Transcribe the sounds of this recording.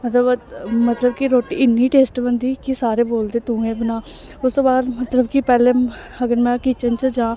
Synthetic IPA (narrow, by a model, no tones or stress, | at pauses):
mət̪ləbmət̪ləbkiɾoːʈiːɪnːiːʈeːsʈbənd̪iːkɪsaːɾeːboːld̪eːt̪ũːɡẽːbənaː | ʊst̪oːbaːd̪mət̪ləbkipɛːlẽː | əɡəɾmɛ̃ːkɪt͡ʃənt͡ʃəd͡ʒãː